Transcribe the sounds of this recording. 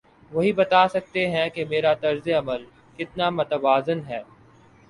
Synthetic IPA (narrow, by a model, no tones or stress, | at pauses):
ʋɐɦibɐt̪aːsɐk̚t̪eɦɛ̃kemeːɾat̪ɐɾzeɐməl | kɪt̪namʊt̪ɐʋaːzənɦɛː